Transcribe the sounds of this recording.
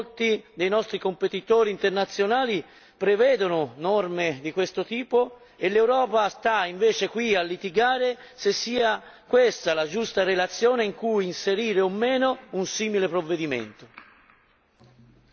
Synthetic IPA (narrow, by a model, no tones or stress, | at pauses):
lt̪id̪ejnɔst̪ɾikompet̪it̪ɔːɾiːnt̪ernat̪sːjonaːli | pɾevɛːd̪onʊnɔrmed̪ikwest̪ot̪iːpo | elewɾɔːpast̪aiɱveːt͡ʃekwialːit̪iɡaːɾe | sesːiːa | kwest̪alad͡ʒust̪arelat̪sːjɔːneiŋkujːnseɾiːɾeomːeːnounsiːmilepɾovːed̪imḛnt̪o